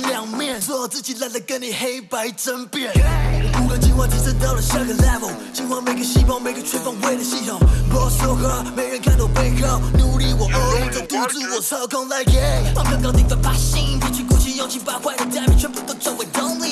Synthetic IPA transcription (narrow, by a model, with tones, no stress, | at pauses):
ljɑ˨˩ŋmjɛ˥˩nswɔ˥˧jɑ˨˩ʊt͡sɹ̩˥˩t͡ɕi˨˩la˥˧˩nd̪ə˨˩kə˧˥ni˨˩xe˥ɪpa˧˥ɪʈ͡ʂə˦˥npjɛ˥˩nɔ˨˩ku˧˩kə˧˩t͡ɕi˧˥nwɑ˥˧˩t͡ɕi˧˥t͡sə˥˧t̪ɑ˥˩ʊlə˨˩ɕja˥˩ɡə˨lɛ˥˩və˨˩ | t͡ɕi˥nwɑ˥˩ŋme˧˥ɪɡə˧ɕi˥˧fɑ˥˩ŋme˧˥ɪɡə˧t͡ɕʰɛ˥nfɑ˥˧ŋwe˥˩ɪlə˨˩ɕi˥˩t̪ʰo˨˩ŋkɔ˧˩so˧˥ʊxə˧˥me˧˥ɪɻə˧˥nkʰa˥˧nd̪ɔ˨˩pe˥˧ɪɻɑ˥˩ʊnu˧˥li˧˥wɔ˨˩ʔə˧˥˧ʈ͡ʂə˧t̪u˥t͡su˥˩wɔ˨˩t͡sʰɑ˥˩ʊkʰɑ˥ŋla˥˩ɪkɛ˥ɑ˥˧˩kʰə˥˧ŋkɑ˥t̪i˥˩ŋd̪ə˨˩pa˧˥˩ɕi˥˧˦kʰɛ˧t͡ɕʰy˥˧ku˥˩t͡ɕʰi˥˧jo˥˧ŋt͡ɕʰi˧˩pa˥˧ɪxwa˥˧ɪd̪ə˨t͡ɕja˥˧mi˨˩t͡ɕʰɛ˧˥pu˧˥˩t̪o˥˧ʊt͡sə˥˩ŋwe˧˩ɪt̪o˥ŋli˥˩